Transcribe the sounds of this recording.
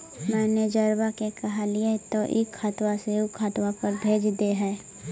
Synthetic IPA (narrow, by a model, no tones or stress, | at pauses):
mɛ̃ːned͡ʒəɾbakekɐɦaliet̪oʔɪkʰːət̪waseʊkʰːət̪wapəɾbʱeːd͡ʒd̪eɦɛː